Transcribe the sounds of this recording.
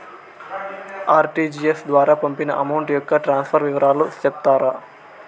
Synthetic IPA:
aːɾʈiːd͡ʒiesd̪ʋaːɾaːpɐmpinɐʔɐmɐwɳʈjɔkːɐʈɾaːnspʰɐɾʋiʋɐɾʔaːlut͡ʃɛp̚t̪aːɾa

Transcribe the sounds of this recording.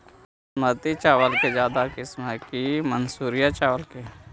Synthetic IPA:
smət̪it͡ʃaːwəlked͡ʒjaːd̪akɪsməkimənsuːɾijat͡ʃaːwəlke

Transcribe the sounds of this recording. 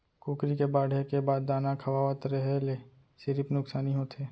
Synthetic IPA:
kuːkɾikebaːɽ̤ʱekebaːd̪ːaːnakʰɐwaːʋət̪ɾəɦele | sɪɾɪpnʊksaːniɦoːt̪ʰeː

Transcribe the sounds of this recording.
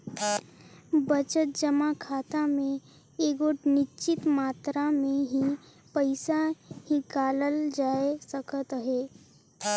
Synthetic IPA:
bət͡ʃət̪̚d͡ʒəmakʰaːt̪amẽ | eːɡoʈnɪt͡ʃɪt̪maːt̪ɾamẽɦi | pəɪsahikaːləld͡ʒaːesəkʰət̪ɦeː

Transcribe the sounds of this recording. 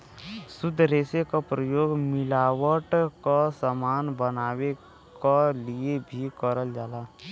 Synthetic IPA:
sʊd̪ʱːɾeːsekapɾəjoːɡmɪlaːwəʈkasəmaːnbənaːwe | kaliebʱikəɾəld͡ʒaːlaː

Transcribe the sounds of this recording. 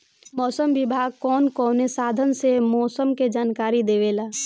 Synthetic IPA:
mɔːsəmʋɪbʱaːɡkɔːnkɔːnesaːd̪ʱənsemɔːsəmked͡ʒaːnkaːɾid̪eːʋeːlaː

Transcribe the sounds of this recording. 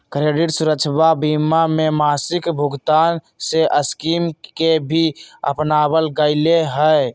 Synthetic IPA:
kɾeːɖɪʈsʊɾəkːt͡ʃʰbabiːmamẽmaːsɪkbʱʊɡt̪aːn | seʔəskiːmkebʱiə̰pnaːbəlɡəɪleɦɛ

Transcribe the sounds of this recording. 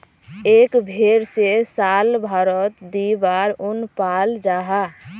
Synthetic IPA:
ekbʱeɾsesalbʱaɾət̪d̪ibaɾunpald͡ʒaɦa

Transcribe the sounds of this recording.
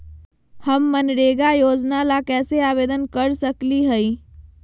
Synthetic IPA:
həmːənɾeɡajoːd͡ʒnalakɛːseabeːd̪ənkəɾsəkliɦəi

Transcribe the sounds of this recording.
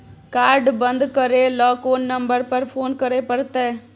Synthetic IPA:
kaːɾɖbɐnd̪kɐɾeːlɔːkoːnːɐmbəɾpɐɾpʰoːnkɐɾeːpɐɽt̪eː

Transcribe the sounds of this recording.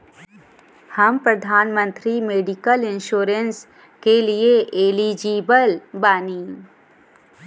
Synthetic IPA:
hɐmpɾɐd̪ʱaːnmə̃nt̪ɾimeːɖɪkəlɪ̃nʃuːɾəns | kelieʔeːlid͡ʒiːbəlbaːniː

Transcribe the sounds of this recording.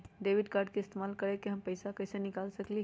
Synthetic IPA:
ɖeːʋɪɖkaːɾɖkiɪst̪eːmaːlkɐɾekeɦɐmpɐɪsakɐːsenɪkaːlsɐkli

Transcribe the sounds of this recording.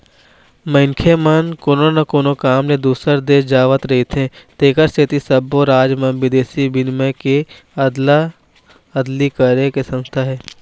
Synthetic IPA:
məŋkʰemənkoːnonɐkoːnokaːmled̪uːsəɾd̪eːd͡ʒaːʋət̪ɾɐɦit̪ʰẽːt̪eːkəɾsʰɪt̪isəboɾaːd͡ʒmə̃nʋɪd̪eːsibɪnmeke | ɐd̪la | ɐd̪likəɾekesə̃nst̪ʰaɦɛː

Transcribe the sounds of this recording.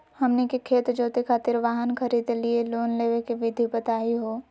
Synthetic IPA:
hɐmnekekʰeːt̪d͡ʒoːt̪ekʰaːt̪ɪɾʋaːɦənkʰɐɾiːd̪lieloːnleːʋekeʋɪd̪ʱibɐt̪aːiɦoː

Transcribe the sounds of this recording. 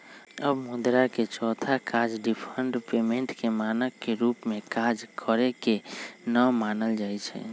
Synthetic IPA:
əbmud̪ɾaket͡ʃɔːt̪ʰakad͡ʒɖipʰəɳɖpemeɳʈkemanəkːeɾupmẽkad͡ʒkʰəɾekenəmanəld͡ʒaɛt͡ʃʰɛ̰

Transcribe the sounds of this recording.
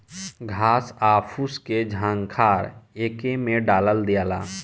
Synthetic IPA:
ɡʱaːsaːpʰusked͡ʒʱãːŋɡkʰaːɾeːkemẽɖaːləld̪ijaːla̰ː

